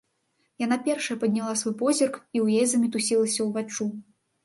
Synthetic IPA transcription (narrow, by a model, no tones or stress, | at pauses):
jan̪apʲɛrʂɐjɐpɐd̪ʲnʲalˠasvɔjpɔzʲirkiwjejzɐmʲit̪usʲilˠɐsʲɐwvat͡ʂːu